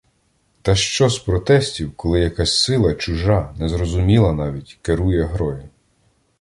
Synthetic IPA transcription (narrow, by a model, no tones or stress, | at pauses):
t̪ɐʃt͡ʃɔspɾɔt̪ɛsʲtʲiwkɔlˠɪjɐkɑsʲsɪlˠɐt͡ʃʊʒɑnɛzɾɔzʊmʲilˠɐnɑʋʲitʲkeɾujɛɦɾɔji